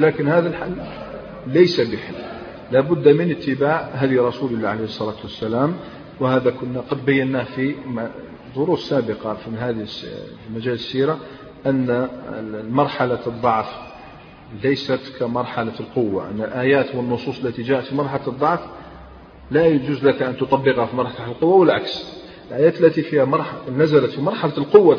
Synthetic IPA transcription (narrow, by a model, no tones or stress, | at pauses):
lækənhæðælħalː | æjsabəħəlː | læbʊd̪ːamənət̪ːəbaʕɦæd̪jɾˤɑsuləlːaʕalehəsˤːɑlɑt̪wəsːælæm | whæd̪akʊnːaqɑd̪bæjːənːæfi | d̪ˤoɾuːssæbəqɑfihæd̪sfimæʒæləsːiɾa | ʔənːa | mɑɾˤħalad̪ˤːɑʕf | læjsæt̪kæmɑɾˤħalalqowːa̰ʔə̰nːəlʔæːjæt̪wənːosˤuːsˤəlːæt̪iʒæːʔət̪fimɑɾˤħalad̪ˤːɑʕf | læjd͡ʒuzlækʔænt̪ot̪ˤɑbːəqhafimɑɾˤħt̪aħəlqʊwːawəlʕaks | əlʔæjæːt̪əlːæt̪ifihæɑɾˤnæzælət̪fimɑɾˤħalalqowːa